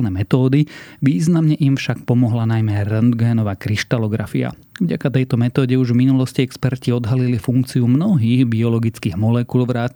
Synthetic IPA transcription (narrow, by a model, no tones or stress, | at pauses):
nɛːmɛt̪ɔːd̪iʋiːznamɲɛʔimfʃak̚pɔmɔɦlanajmɛɾɛnd̪ɡɛːnɔʋaːkɾiʃt̪alɔɡɾa̰fia̰ | vɟa̰kat̪ɛjt̪ɔmɛt̪ɔːɟɛuʒvminulɔsciɛkspɛɾciɔd̪ɦalilifuŋkt͡siumnɔɦiːɣbiɔlɔɡit͡skiːɣmɔlɛkulʋɾaː